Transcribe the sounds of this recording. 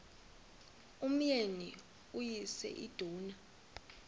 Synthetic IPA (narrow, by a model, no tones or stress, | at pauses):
um̩jeni | ujisɛ̰ʔid̥ʱuːna